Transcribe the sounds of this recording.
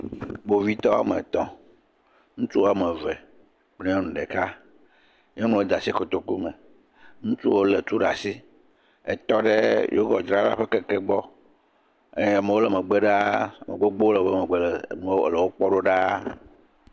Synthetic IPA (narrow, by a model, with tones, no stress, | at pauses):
ɡ͡bo˨vi˦t̪ɔ˦a̰˨mḛ˨t̪ɔ̃˦ | ŋũ˦t͡ʃu˦wo˦a˦˨me˨vɛ˨ | k͡ple˦ɔ̃˦nũ˨ɖɛ˨ka˦ | ɲe˦nũ˦wo˦d̪a˨si˦ko˨t̪o˨ku˦mẽ˨ | ŋũ˦t͡ʃu˦o˦le˨t̪u˦ɖa̰˨si˦ | ḛ˨t̪ɔ˦ɖe˦jo̰˦ɡɔ˨d͡ʒɾa˦la̰˦ɸe˦kɛ˦kɛ˦ɡ͡bɔ˦ | ḛ˦ɛ˨me˨wo˦lɛ˨me˨ɡ͡be˦ɖa˦˨mḛ˨ɡ͡bo˦ɡ͡bo˦le˨be˦me˨ɡ͡be˦lɛ˨nũ˨o˦˨le˨wo˦k͡pɔ˦ɖo˦ɖa˦